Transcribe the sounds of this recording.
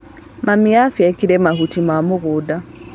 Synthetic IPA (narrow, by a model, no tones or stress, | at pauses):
mamiafjɛkiɾɛmahutimamʊɣuda